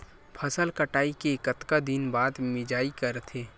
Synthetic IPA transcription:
pʰɐsəlkəʈaːikekət̪kad̪ɪnbaːd̪mɪd͡ʒaːikɐɾt̪ʰeː

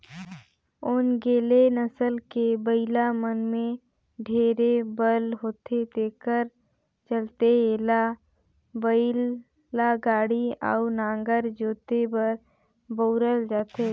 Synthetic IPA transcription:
ʊnɡeːlenəsəlkebəɪlamənmẽ | ɖʱeːɾebəlɦoːt̪ʰet̪eːkəɾ | t͡ʃəlt̪eeːla | bəɪl | aɡaːɽiə̰nãːŋɡəɾd͡ʒoːt̪ebəɾ | boːɾəld͡ʒaːt̪eː

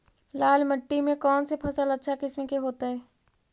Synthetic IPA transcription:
laːlməʈːimẽkɔːnsepʰɐsəlɐtːʃʰakɪsmekeɦoːt̪aɦɛː

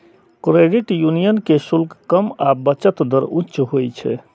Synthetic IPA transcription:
kɾeɖiʈjunijənkesulkkəmabət͡ʃət̪d̪əɾutːt͡ʃɦojt͡ʃʰɛ̰

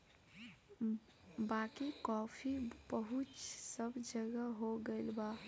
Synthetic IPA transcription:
bakikɔpʰibəɦut͡ʃsəbʱd͡ʒəɡəɦoɡeɪlba

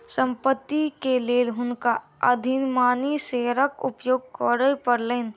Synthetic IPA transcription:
sə̃mpət̪ːikeleːlɦʊnka | əd̪ʱinmaːniseːɾəkʊ̰pjoːɡ̚kɔːɾəpəɾleːn

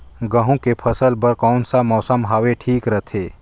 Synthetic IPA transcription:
ɡəɦũkepʰəsəlpəɾkɔːnsamɔːsəmɦaːʋeʈʰiːkɾət̪ʰeː

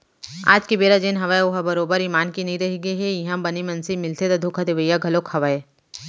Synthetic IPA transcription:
a̰ːd͡ʒkibeːɾad͡ʒeːnɦɐʋaːeoɦabɐɾoːbəɾimaːnkinɐĩɾɐɦiɡəiɦɛjɐɦãbɐnimɐ̃nsimɪlt̪ʰet̪ɐd̪ʱokʰad̪eʋəjːaɡʱɐlokhɐʋae

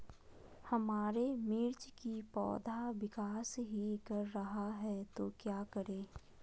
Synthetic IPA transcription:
hɐmaːɾemiɾt͡ʃkipɔ̰ːd̪ʱaʋɪkaːsɦikɐɾːɐɦaɦɛt̪okjaːkəɾeː

